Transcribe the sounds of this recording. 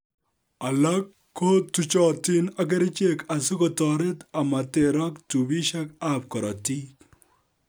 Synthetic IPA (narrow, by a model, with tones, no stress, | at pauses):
a˨la˦kːo˦t̪ːu˨t͡ʃɔ˨tɪ˦na˦k̬e˦ɾɪ˦t͡ʃe˦ka˨sɪ˦kɔ˨tɔ˨ɾɪ˦t̪a˨ma˨te˨ɾa˦ktu˨bi˦ʃa˦ka˦p̚kɔ˨ɾɔ˨ti˦k